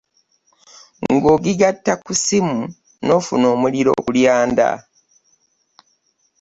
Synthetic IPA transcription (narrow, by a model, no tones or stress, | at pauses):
ŋŋɡo̞ːɡiɡatːakusimu | no̞ːfuno̞ːmuliɾo̰ːkuljaːnda̰